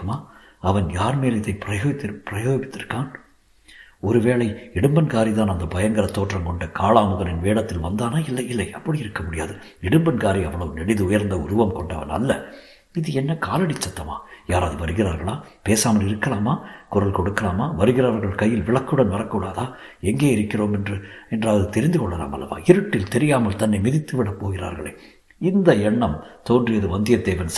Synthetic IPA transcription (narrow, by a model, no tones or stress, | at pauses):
maː | ɐʋɐnjaːɾmeːlɪðɐɪpɪɾɐjoːt̪ːpɪɾɐjoːʋɪt̪ːɪɾkːaːn | ɔɾɯʋeːɭɐɪɪɽɯmbɐnkaːɾit̪aːnɐnd̪ɐbɐjɐŋɡɐɾɐt̪ːoːʈrɐmkɔɳɖɐkaːɭaːmʊɣɐlɪnʋeːɽɐt̪ːɪlʋɐnd̪aːnaːɪlːɐɪlːɐɪɐpːɐɽijɪɾɯkːɐmʊɽɪja̰ːðɯ | ɪɽɯmbɐnkaːɾiɐʋːɐɭɐʋɯnɛɽɪðɯʊjɐɾnd̪ɐʊɾʊʋɐmkɔɳɖɐ̰ʋɐ̰nɐ̰lːɐ̰ | ɪðɯɛnːɐkaːlɐɽɪt͡ʃːɐt̪ːɐma̰ːjaːɾaːðɯʋɐɾɯɣɪɾa̰ːɾɣɐɭaːpeːsaːmɐlɪɾɯkːɐlaːmaːkʊrɐlkɔɽɯkːɐlaːmaːʋɐɾɯɣɪɾaːɾɣɐɭkɐjːɪlʋɪɭɐkːɯɽɐnʋɐɾɐkːuːɽaːðaː | ɛŋɡeːɪɾɯkːɪroːmɛndrɯɛndraːʋðɯt̪ɛɾɪnd̪ɯkɔɭːɐla̰ːmɐ̰lːɐ̰ʋa̰ːɪɾɯʈːɪlt̪ɛɾɪjaːmɐlt̪ɐnːɐɪmɪðɪt̪ːɯʋɪɽɐpːoːɣɪra̰ːɾɣɐ̰ɭḛː | ɪnd̪ɐɛɳːɐmt̪oːndrɪjɐðɯʋɐnd̪ɪjɐd̪eːʋɐns